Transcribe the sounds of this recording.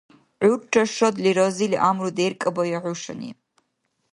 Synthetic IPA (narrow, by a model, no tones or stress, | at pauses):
ʕʷʊrʈ͡ʂʰaʂodliɾoziliʔamrudejrkʼɨbajaʕʷʊʂa̰nḭ